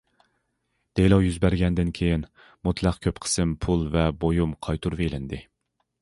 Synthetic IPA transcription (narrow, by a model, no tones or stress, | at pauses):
d̪̥ejlˠɑwjyzbæɾɡʲɛnd̪ɪnkʲʰejin | mut̪ʰlˠæqkʲʰøpqʰə̥sɨmpʰulˠvɛbojumqʰɑjt̪ʰuɾvelɪnd̪ɪ